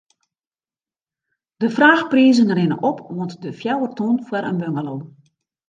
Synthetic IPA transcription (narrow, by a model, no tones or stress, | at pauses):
d̥əfraːxpriəzəŋərɪnə̰ʔɔpʋɔntdəfjɛwərtonfwəɾʔə̰nbøŋəlo